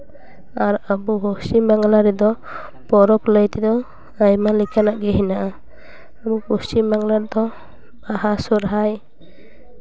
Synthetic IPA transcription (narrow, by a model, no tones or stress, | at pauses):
aɾabuhosimbaŋlaɾɛd̪ɔ | pɔɾɔkləjt̪ɛd̪ɔ | ajmalikʰanaʔɡɛɦinaʔa | abukusimbaŋlaɾd̪ɔ | baɦasɔɾɦaj